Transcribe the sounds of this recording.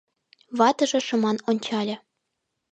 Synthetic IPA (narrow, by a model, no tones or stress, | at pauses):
βɑt̪ɤ̆ʒɤ̆ʃɤ̆mɑnonʲt͡ɕɑlʲɤ̆